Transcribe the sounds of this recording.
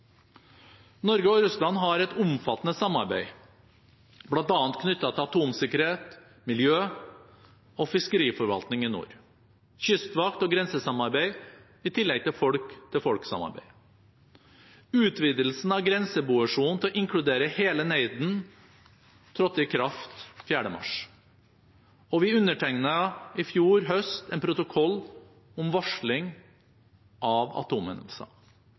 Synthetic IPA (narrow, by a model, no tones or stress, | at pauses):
nɔɾɡəɔɾʉslɑnɦɑɾɛt̪ʊmfɑt̪ːnəsɑmɑɾbæ̰ɪ | blɑnt̪ɑːnt̪̚kʰnʏt̪ːɑt̪ʰɪɑt̪ʰuːmsɪkəɾheːt̪ | mɪljøː | ɔfɪskəɾiːfɔɾʋɑ̰lt̪nɪŋɪnṵːɾ | çʏst̪ʋɑkt̪ɔɡɾɛnsəsɑmɑɾbæɪ | ɪt̪ʰɪlːɛɡ̚t̪ʰɪlfɔɽkt̪ʰɪlfɔɽksɑ̰mɑ̰ɾbæ̰ɪ | ʉːt̪ʰʋiːd̪əlsn̩ɑʋɡɾɛnsəbuːəʂuːn̩t̪ʰɛɔʔɪŋkʰɽʉd̪eːɾəheːləneɪd̪n̩ | t̪ʰɾɔt̪ːɪkʰɾɑft̪fjæːɖəmɑ̰ʂ | ɔʋɪʉnːəʈʰɛŋnəɪfjuːɾɦœst̪ɛːnpʰɾʊt̪ʊkʰɔlː | ʊmʋɑʂɭɪŋ | ʔɑʋɑ̰t̪ʰuːmə̰n̰sɑ̰